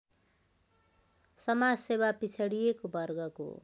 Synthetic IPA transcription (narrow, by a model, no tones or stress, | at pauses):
sʌmad͡zsewapit͡sʰʌɽijekobʱʌrɡʌko̰